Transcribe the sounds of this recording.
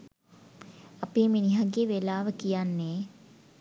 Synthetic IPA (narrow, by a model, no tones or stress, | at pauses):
apeːminiɦaɡeːʋelaːʋəkijanːeː